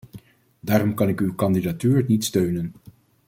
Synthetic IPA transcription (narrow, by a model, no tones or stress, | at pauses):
daːɾɔmkɑnɪkywkɑndidatyːɹnitstøɥnən